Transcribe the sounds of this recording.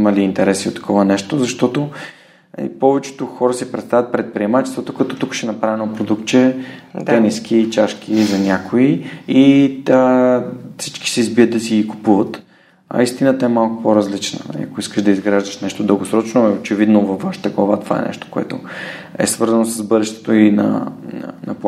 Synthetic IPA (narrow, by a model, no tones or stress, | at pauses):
imɐliːnt̪ɛɾɛsiot̪ːɐ̥kʰɔvənɛʃt̪ozɐʃt̪ɔt̪o | ḭpɔvɛt͡ʃɛ̥t̪oxɔɾəsipɾɛt̪st̪avʲət̪̚pɾɛt̪̚pɾiɛmat͡ʃɛst̪vot̪okɐt̪ɔt̪ukʃɛnɐpɾavɛnopɾod̪ukt̪̚t͡ʃɛt̪əniskʰʲiːt͡ʃaʃk̟izɐnʲakʰoii | fsi̥t͡ʃki̥sɛizbiət̪̚d̪ɐsiɡiku̥puvət̪ | ɐ̰ist̪inət̪ɐɛmalˠkʊ̥poɾɐzlit͡ʃnə̰ḭɐkoiskəʃd̪ɐizɡɾaʒd̪əʃnɛʃt̪od̪əlˠɡosɾɔt͡ʃnoɛot͡ʃɛvid̪novɐfvːaʃi̥t̪əɡlˠɐvat̪ov̥a̰ɛ̰nɛ̰ʃt̪o̥koɛ̰t̪oɛ̰svɤɾzɐnosəzbɤd̪ɛʃt̪ɛ̥t̪oinɐ̰nɐpˠ